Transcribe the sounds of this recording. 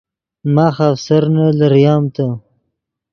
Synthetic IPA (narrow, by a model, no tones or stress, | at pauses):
maxafsaɾnaləɾjɑːmt̪a